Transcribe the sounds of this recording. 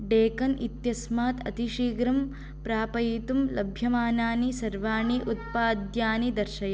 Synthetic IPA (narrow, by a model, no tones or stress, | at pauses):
ɖeːkɐnḭt̪jɐsmaːt̪ɐ̰t̪iʃiːɡɾɐm | pɾaːpɐjit̪umlɐbʱjɐmaːnaːnisɐɾʋaːɳiʔut̪̚paːd̪jaːnid̪ɐɾʃɐjɐ